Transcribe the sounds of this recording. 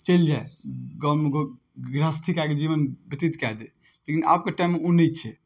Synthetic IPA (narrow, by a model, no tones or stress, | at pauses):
t͡ʃəld͡ʒaeɡɔlmeɡo | ɡɾast̪ʰikaked͡ʒiʋənbət̪it̪kɛɦd̪e | lekina̰p̚keʈaɪmːeunːit͡ʃʰɛ